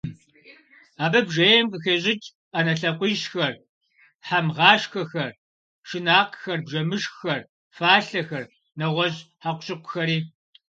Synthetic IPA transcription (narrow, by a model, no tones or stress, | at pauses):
aːbɐbʒejɛmqəxeːɕʼɪt͡ʃʼ | anɐɬɐqʷiʃxɐr | ħamʁɑːʂxɐxɐr | ʃɪnaːqxɐrbʒɐmɨʃxxɐr | faːɬɐxɐr | nɐʁʷɔʑħaqʷʊ̥ɕɪqʷʊ̥xɐɾiː